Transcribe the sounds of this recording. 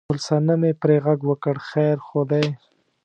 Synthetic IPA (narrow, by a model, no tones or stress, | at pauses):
ʊlsanamepɾeɣaɡwəkəɽxajɾxod̪aj